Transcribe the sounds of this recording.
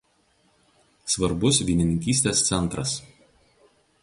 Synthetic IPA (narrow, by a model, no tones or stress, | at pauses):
sʋɐɾbʊsʋʲiːnʲɪnʲɪŋʲkʲiːsʲt̪ʲeːst̪sʲɛnˑt̪ɾɐs